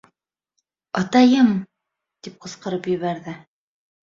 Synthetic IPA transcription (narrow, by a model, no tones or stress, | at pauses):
ɑt̪ɑjɤm | t̪ip̚qɤ̆sqɤ̆ɾɤpjɵ̆βæɾðɘ